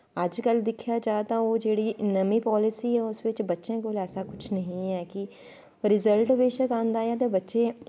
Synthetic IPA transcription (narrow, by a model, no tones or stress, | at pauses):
əd͡ʒkəld̪ɪkʰjaːd͡ʒaːt̪ãːoːd͡ʒeːɽiːnəmiːpɔːlɪsiːɛːʊsʋɪt͡ʃbətːʃẽːkolɛːsaːkʊt͡ʃʰnəɦĩɛːkɪ | ɾɪzəlʈʋeːʃəkãːnd̪aːjaːt̪̬ebətːʃẽː